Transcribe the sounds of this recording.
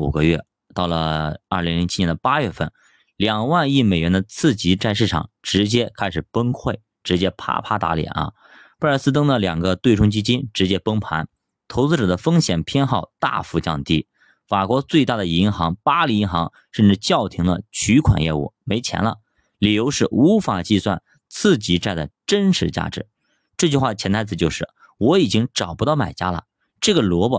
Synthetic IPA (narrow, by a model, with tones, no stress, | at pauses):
ṵ˨˩ɡə˦ɥɛ̰˥˩ | t̪ɑ˥˩ʊlə̰˩ɐ˞˥˩li˧˥ŋli˧˥ŋt͡ɕʰi˥jɛ˧˥nd̪ə˧pa˥ɥɛ˥˧fə˥˩n | ljɑ˨˩ŋwa˥˧ni˥˩me˨˩ɪɥɛ˧˥nd̪ə˧t͡sʰɹ̩˥˩t͡ɕi˧˥ʈ͡ʂa˥˧ɪʂɻ̩˥˩ʈ͡ʂʰɑ̰˨˩˦ŋʈ͡ʂɻ̩˧˥t͡ɕjɛ˥kʰa˥ɪʂɻ̩˨˩pə˥ŋkʰwe˥˩ɪ | ʈ͡ʂɻ̩˧˥t͡ɕjɛ˥pʰa̰˥pʰa̰˥t̪a̰˧˥ljɛ̰˨˩˦nɐ̰˧ | pə˥ə˞˧˥sɹ̩˥t̪̬ɤ˥ŋd̪ə˨ljɑ˨˩ŋɡə˦t̪we˥˩ɪʈ͡ʂʰʊ˥ŋt͡ɕi˥t͡ɕi˥nʈ͡ʂɻ̩˧˥t͡ɕjɛ˥pə˥ŋpʰa˧˥n | t̪ʰo˧˥t͡sɹ̩˥˧ʈ͡ʂɤ˨˩d̪ə˦fɤ˥ŋɕjɛ˨˩npʰjɛ˥nxɑ˥˧ʊt̪a̰˥˧fu˧t͡ɕjɑ̰˥˧ŋt̪i˥˩ | fa˨˩kwɔ˧˥t͡swe˥˧ɪt̪a˥˩d̪ə˩i˧˥nxɑ˧˥ŋpa˥li˧˥i˧˥xɑ̰˧˥ŋ | ʂə˥˧nʈ͡ʂɻ̩˥˧t͡ɕjɑ˥˩ʊt̪ʰi˧˥ŋd̪ə˧t͡ɕʰy˧˥kʰwa̰˨˩njɛ̰˥˧ṵ˥˩me˧˥ɪt͡ɕʰjɛ̰˧˥nlə̰˧ | li˨˩jo˧˥ʊʂɻ̩˥˩u˧˥fa˨˩t͡ɕi˥˧swa˥˧n | t͡sʰɹ̩˥˩t͡ɕi˧˥ʈ͡ʂa˥˩ɪd̪ə̰˩ʈ͡ʂə˥nʂɻ̩˧˥t͡ɕja̰˥˩ʈ͡ʂɻ̩˧˩˦ | ʈ͡ʂɤ˥˩t͡ɕy˥˧xwa˥˩ə˩t͡ɕʰjɛ˧˥nt̪ʰa˥t͡sɹ̩˨˩t͡ɕjo˥˧ʂɻ̩˥˩ | wɔ˧˥i˨˩t͡ɕi˥ŋʈ͡ʂɑ˨˩ʊpu˧˥t̪ɑ˥˩ʊma̰˨˩ɪt͡ɕja̰˥lə̰˨ | ʈ͡ʂɤ˥˩ɡə˩lwɔ˧˥bə˧